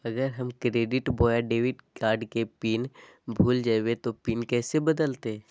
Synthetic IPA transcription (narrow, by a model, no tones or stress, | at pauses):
ɐɡəɾɦɐmkɾeːɖɪʈboːjaɖeːʋɪʈkaːɾɖkepiːnbʱuːld͡ʒaːwet̪opiːnkɛːsebɐd̪əlt̪e